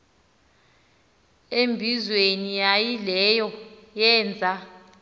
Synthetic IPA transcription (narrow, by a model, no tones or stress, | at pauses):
embʱizwenijajilɛjɔjɛːnd͡zʱa